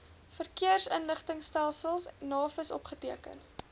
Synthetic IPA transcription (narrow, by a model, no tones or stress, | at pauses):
fərkiərsənləχtəŋstælˠsəlˠsnːɑːfəsɔpχətiəkə̰n